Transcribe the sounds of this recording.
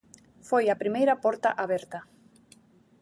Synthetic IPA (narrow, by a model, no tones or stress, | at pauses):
fojapɾimejɾɐpɔɾt̪aʔaβɛɾt̪a